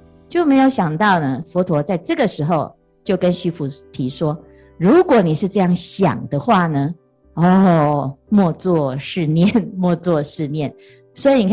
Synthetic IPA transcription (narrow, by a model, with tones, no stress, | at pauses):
t͡ɕjo˥˩ʊme˧˥ɪjo˧˥ʊɕjɑ˨˩ŋt̪ɑ˥˩ʊnə˩fɔ˧˥t̪ʰwɔ˧˥t͡sa˥˧ɪʈ͡ʂɤ˥˩ɡə˨ʂɻ̩˧˥xo˨˧ʊ | t͡ɕjo˥˩ʊkə˦nɕy˥pʰu˨˩t̪ʰi˧˦ʂwɔ˦˥ | ɻu˨˧˥kwɔ˨˩˦ni˨˩ʂɻ̩˥˧ʈ͡ʂɤ˥˧jɑ˥˩ŋɕjɑ̰˨˩ŋd̪ə˦xwa˥˩nə˩ | ɔ˥˨˩mwɔ˥˧t͡swɔ˥˨ʂɻ̩˥˧njɛ˥˨˩nmwɔ˥˧t͡swɔ˥˧ʂɻ̩˥˧njɛ˥˨n | swɔ˧˥i˧ni˨kʰ